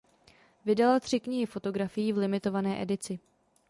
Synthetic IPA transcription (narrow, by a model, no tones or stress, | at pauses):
vɪdalat̪r̝̥ɪkɲɪɦɪfo̞t̪o̞ɡɾafɪjiːvlɪmɪt̪o̞vanɛːʔɛdɪt͡sɪ